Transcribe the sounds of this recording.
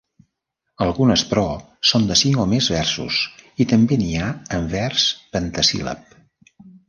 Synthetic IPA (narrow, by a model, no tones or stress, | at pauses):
əlˠɣunəspɾɔ | sond̪əsiŋomezβɛrsṵsit̪əmbeniaəmvɛrspənt̪əsḭlə̰p̚